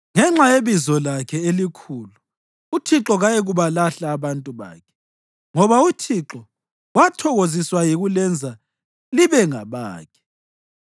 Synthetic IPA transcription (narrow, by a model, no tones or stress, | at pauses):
ŋɛŋ͡ǁajeβizɔlakʰɛelikʰuːlu | utʰiǁɔɣajɛɣuβalaɬaːβantʼuβa̰ːkʰɛ̥ | ŋɔβautʰiǁɔ | watʰɔɣoziswajiɣulɛnd͡zʱa | liβɛŋaβa̰ːkʰɛ̥